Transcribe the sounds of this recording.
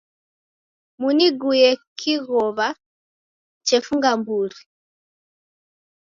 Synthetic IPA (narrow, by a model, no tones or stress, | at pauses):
muniɡujɛkʰiɣɔβa | t͡ʃɛfuŋɡambuɾi